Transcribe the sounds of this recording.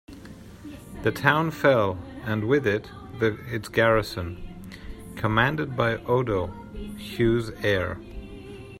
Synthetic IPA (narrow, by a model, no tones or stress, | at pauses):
ðɨtʰãʊ̃nfɛlˠɨ̃nwɪðɪt̪̚ | ðɨɪtsɡ̥ɛɹɨsɨ̃n | kʰəmæ̃ndɨd̚baɪʔoʊɾoʊ | hjʉzɛɹ